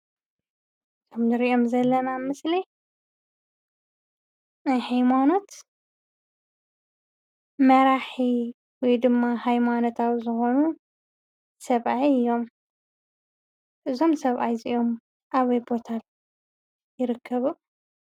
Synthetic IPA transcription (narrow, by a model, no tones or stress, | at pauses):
t̪ʰomzɨɾiʔo̞mzɐlːɐnamɨsli | najhajmano̞t̪ | mɐɾaħi | wɔjd̪ɨmːahajmano̞t̪ʰawzɨxo̞nu | sɐβʔajɨjːo̞m | ʔɨzo̞msɐβʔajziʔo̞m | ʔaβɐjbo̞t̪ʰal | jɪɾɨkʰːɐβu